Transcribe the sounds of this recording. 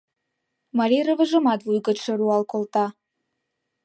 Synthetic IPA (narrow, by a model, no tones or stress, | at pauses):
mɑɾʲirə̆βə̆ʒə̆mɑt̪vujɣə̆ʃə̆ɾuɑlkolt̪ɑ